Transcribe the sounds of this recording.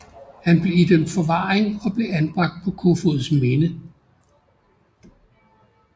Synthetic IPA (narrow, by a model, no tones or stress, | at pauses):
hænb̥le̝id̥emd̥fɒ̽ʋɑ̰̈ːeŋɒ̽b̥le̝ænb̥ʁɑ̈ɡ̥̚d̥̚pʰɒ̽kʰofo̝ð̩ˠsmenə